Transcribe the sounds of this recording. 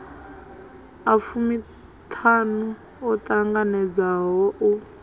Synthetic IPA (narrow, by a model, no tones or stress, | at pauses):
afumi | tʰanu | ɔtʼaŋɡanɛd͡zaɦɔʔu